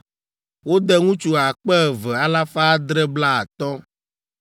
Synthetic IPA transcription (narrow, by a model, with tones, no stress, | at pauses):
wo˦d̪ɛ˦ŋũ˦t͡ʃu˦a˨k͡pɛ˦˨vɛ˨a˦la˦fa˦d̪ɾɛ˦bla˦a˨t̪ɔ˦